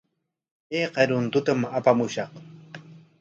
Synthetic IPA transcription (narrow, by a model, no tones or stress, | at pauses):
eqɑɾʊnt̪ʊt̪amapamʊʃɑq